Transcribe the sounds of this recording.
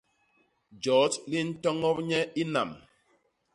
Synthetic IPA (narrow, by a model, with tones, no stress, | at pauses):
d͡ʒɔː˨˦tli˦n̩˦tɔ˦ŋɔ˦p̚ɲɛ˦i˦na̰˨m